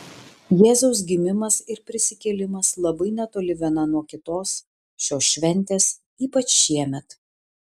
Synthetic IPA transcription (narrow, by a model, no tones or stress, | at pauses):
jeːzɐʊs̬ɡʲɪmʲɪmɐsɪɾpʲɾʲɪsʲɪkʲɛlʲɪmɐslˠɐbɐɪnʲɛt̪oːlʲɪʋʲiɛnɐnuɔkʲɪt̪oːs | ʃʲoːsʃʲʋʲɛnʲˑt̪ʲeːs | iːpɐt͡ʃʃʲiɛmʲɛt̪